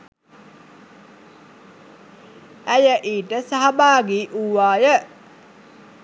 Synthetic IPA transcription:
æjəʔiːʈəsaɦabaːɡiʔuʋaːjə

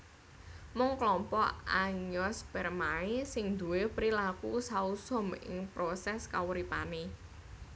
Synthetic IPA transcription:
mʊŋklɔmpɔ̰ʔaɲɔspɛrmaesɪŋd̪ṳwepɾilakusausɔmɪ̰ŋpɾosɛskawuɾipane

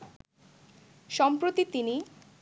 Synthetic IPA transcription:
ʃɔmpɾot̪it̪ini

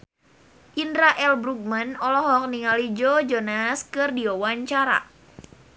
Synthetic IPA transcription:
ʔindɾaʔɛlbɾuk̚manɔlɔɦɔk̚niŋalid͡ʒod͡ʒɔnaskɨrdiɔwaɲt͡ʃaɾa̰

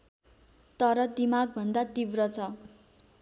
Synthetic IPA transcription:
t̪ʌɾʌd̪imaɡ̚bʱʌnd̪at̪ibrʌt͡sʰʌ

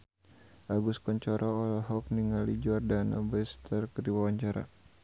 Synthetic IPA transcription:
ʔaɡuskɔɲt͡ʃɔɾʔɔːlaɦɔk̚niŋalid͡ʒɔardana̰bɛst̪ərkədiwawaɲt͡ʃaɾa̰

